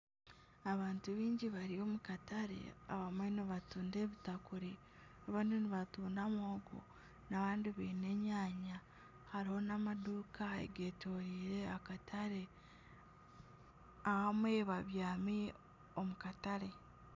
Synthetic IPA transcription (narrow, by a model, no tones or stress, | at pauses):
aβaːntuβiːɲɟiβaɾio̞mukataɾe̞̰a̰βamweniβatuːnde̞ːβitakuɾi | aβaːndiniβatuːndamoːɡo̰ | naβaːndiβiːne̞ɲaːɲa | haɾiho̞namaduːkaḛɡe̞ːtoːɾiːɾe̞akatʰaɾe̞ | ahamwe̞βaβjaːmi | omukataɾe̞